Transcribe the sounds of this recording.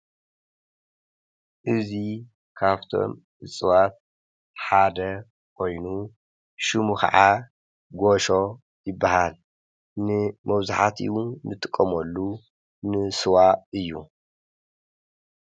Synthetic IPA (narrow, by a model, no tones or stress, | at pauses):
ʔɨzi | kʰaβt̪ʰo̞̰m | ʔɨt͡sʼɨwat̪̚ | ħad̪ɐ | kʰo̞jnu | ʃɨmukɐ̰ʕa | ɡoʃo̞ | jɪbːahal | nɨmɐβzaħat̪ʰḭunɨt̪ʼɨkʼːɐmɐlːu | nɨsɨwaɨjːu